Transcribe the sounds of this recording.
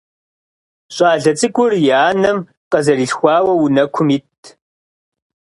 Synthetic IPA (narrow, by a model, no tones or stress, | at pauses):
ɕʼaːɮɐt͡sʼɨɡʷʊrjaːnɐm | qɐzɐriːɬxʷɑːwɐwunɐkʷʰʊmitʰ